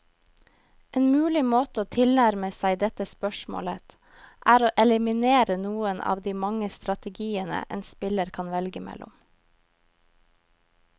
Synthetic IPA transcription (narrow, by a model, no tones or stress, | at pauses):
ʔeːnmʉːlɪmoːt̪əoːt̪ʰɪlnæɾməsæɪd̪ɛt̪əspœʃmo̰ːlət̪ | ʔæːɾoːʔɛlɪmɪneːɾənuːənʔɑ̰ːʋd̪iːmɑŋəst̪ɾɑt̪əɡiːənə̰ʔɛ̰ːnspɪləɾkʰɑnʋɛlɡəmɛ̰lʔʊ̰m